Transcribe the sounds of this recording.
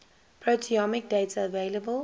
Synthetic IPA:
pʰɹotʰiɔmɪk̚deɪtəveɪləbəl

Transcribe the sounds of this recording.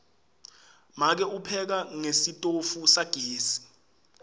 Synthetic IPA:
mak̬ɛupʰɛk̬aŋesitʼofusaɡ̥ʱeːsi̥

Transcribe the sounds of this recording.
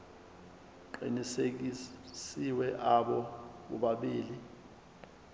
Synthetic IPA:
ǃinisesiwɛʔaɓɔkṵɓaɓiːli

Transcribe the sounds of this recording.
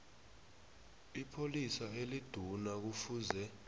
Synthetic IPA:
ipʰolisaelid̥ʱunak̬ufuːzɛ

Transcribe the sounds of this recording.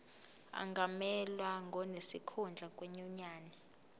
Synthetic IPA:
a̰ŋɡʱamɛlwaŋɡʱɔnesikʰɔnd͡ɮʱakʼwɛɲɔɲaːni

